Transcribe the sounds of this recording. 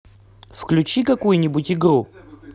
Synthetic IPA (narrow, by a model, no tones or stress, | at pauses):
fklʲʉt͡ɕikɐkujʊnʲɪbʊtʲɪɡɾu